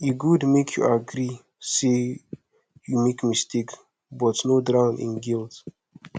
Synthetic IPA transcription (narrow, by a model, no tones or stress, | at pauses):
juɡudmekʰjṵaɡɾi | se | jumekmistʰek | bɔtnodɹãʊ̃nḭ̃nɡilt